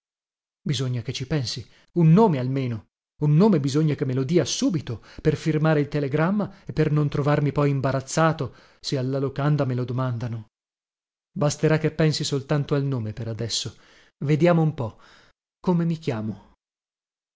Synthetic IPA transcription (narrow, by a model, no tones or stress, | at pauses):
bizoɲːaket͡ʃːipɛnsi | unːoːmealmeːno | unːoːmebizoɲːakemːelod̪iːasuːbit̪operfirmaːɾeilt̪eleɡɾamːaepːernont̪ɾovarmipɔjimbaɾat̪sːaːt̪o | sialːalokand̪amelod̪omand̪ano | bast̪eɾakːepːɛnsisolt̪ant̪oalnoːmepeɾad̪ɛsːo | ved̪jaːmoumpɔ | komemik̟jaːmo